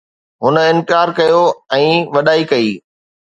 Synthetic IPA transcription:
ɦʊnə̆ɪ̃nt̪ɪaːɾkɐjoɛ̃ːʋɐɗaːikɐiː

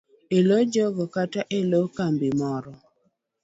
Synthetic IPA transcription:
elod͡ʒɔɡɔkataʔelokambɪmɔɾɔ

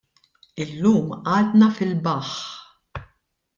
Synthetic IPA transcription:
ɪlːuːmʔɐːd̪nɐfɪlbɐħ

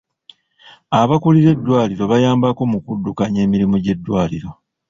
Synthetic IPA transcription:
aβakuliɾe̞dːwaːliɾo̞βajaːmbako̞mukudːukaɲe̞ːmiɾimuɟe̞dːwaːliɾo̞

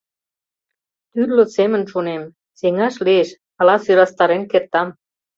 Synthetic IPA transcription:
t̪yrlø̆semə̆nʃunem | seŋɑʃlieʃ | ɑlɑsyɾɑst̪ɑɾenkert̪ɑm

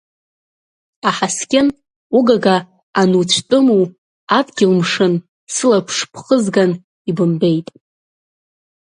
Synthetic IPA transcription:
aħaskʲʼɪn | uɡaɡaː | nut͡ɕʷʰtʼɨmu | adɡʲɪlmʂɨn | sɨlapʰʂpʰχəzɡan | ibɨmbe̞jtʼ

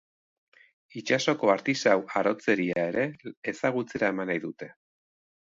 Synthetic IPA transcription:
it͡ʃaso̞ko̞aɾt̪isawaɾo̞t͡se̞ɾiae̞ɾe̞ːsaɣ̞ut͡se̞ɾae̞manajðut̪e̞

